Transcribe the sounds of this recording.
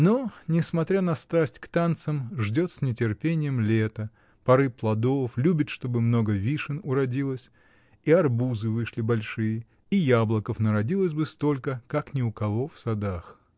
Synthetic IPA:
nonʲɪsmɐt̪ɾʲanɐst̪ɾasʲtʲkt̪ant̪səmʐdʲo̞t̪sʲnʲɪtʲɪrpʲenʲɪjəmlʲet̪ə | pɐɾɨplˠɐd̪oflʲubʲɪt̪ʂt̪o̞bɨmno̞ɡəvʲiʂɨnʊɾɐdʲilˠəsʲ | iɐrbuzɨvɨʂlʲɪbɐlʲʂɨjɪ | ijablˠəkəfnəɾɐdʲilˠəsʲbɨst̪o̞lʲkəkaknʲɪʊkɐvo̞fsɐd̪ax

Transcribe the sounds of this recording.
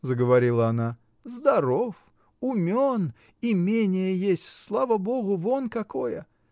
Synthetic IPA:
zəɡəvɐɾʲilˠəɐna | zd̪ɐɾof | ʊmʲon | ɪmʲenʲɪjəjesʲtʲslˠavəbo̞ɣʊvonkɐkojə

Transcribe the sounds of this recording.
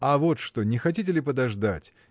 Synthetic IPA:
ɐvo̞t̪ʂt̪onʲɪxɐtʲitʲɪlʲɪpəd̪ɐʐd̪atʲ

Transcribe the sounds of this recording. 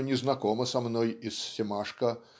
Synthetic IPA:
nʲɪznɐkɔməsɐmnojisːʲɪmaʂkə

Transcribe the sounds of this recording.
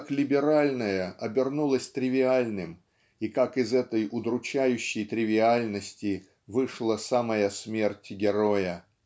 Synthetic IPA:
klʲɪbʲɪɾalʲnəjəʔɐbʲɪrnulˠəsʲt̪ɾʲɪvʲɪalʲnɨm | ikakɪzɛt̪əjʊd̪ɾʊt͡ɕæjʉɕːɪjt̪ɾʲɪvʲɪalʲnəsʲtʲɪ | vɨʂlˠəsaməjəsmʲe̞rtʲɡʲɪɾo̞jə

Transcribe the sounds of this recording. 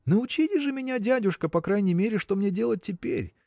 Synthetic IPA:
nəʊt͡ɕitʲɪʐɨmʲɪnʲadʲadʲʊʂkəpɐkɾajnʲɪjmʲeɾʲɪʂt̪o̞mnʲedʲe̞lˠət̚ʲtʲːɪpʲḛɾʲ

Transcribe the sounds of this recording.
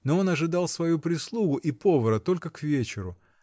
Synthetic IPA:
noo̞nɐʐɨd̪ɑlˠsvɐjupɾʲɪslˠuɡʊʔipo̞vəɾət̪o̞lʲkəkvʲet͡ɕɪɾʊ

